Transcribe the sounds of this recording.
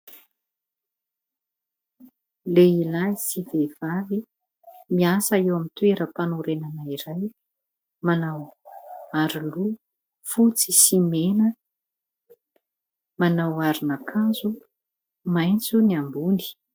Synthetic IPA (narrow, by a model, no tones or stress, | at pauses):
leilaisivev̥avi | miasaewamit̪weɾəpanuɾenanaiɾaj | manaw | aɾulu | fut͡sisimenə | manawaɾinakʰazu | majnt͡suniambuni̥